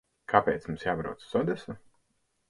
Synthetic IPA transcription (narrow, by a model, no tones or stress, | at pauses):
kʰapeːt̪smumsjaːbɾa̰wt̪ssɔd̪ɛsu